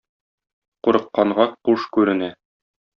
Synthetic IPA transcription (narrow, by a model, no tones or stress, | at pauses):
quɾɤ̆qːɑɴʁɑquʃkʉɾɘ̆næ